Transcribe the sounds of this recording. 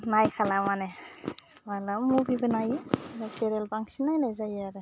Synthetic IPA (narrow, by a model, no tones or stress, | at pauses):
najkʰalamanɛ | malamːubibɯnajɯɾaseɾelbaŋsinajnajzajaɾɯ